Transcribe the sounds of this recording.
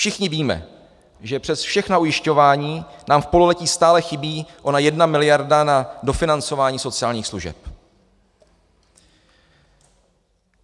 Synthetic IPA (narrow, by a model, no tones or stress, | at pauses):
fʃɪxɲɪviːmɛ̰ | ʒɛpr̥ɛsfʃɛxnaujɪʃco̞vaːɲiːnaːmfpo̞lolɛciːst̪aːlɛxɪbiːʔonajɛdnamɪlɪjaɾdanado̞fɪnant͡so̞vaːɲiːso̞t͡sɪaːlɲiːxsluʒɛ̰p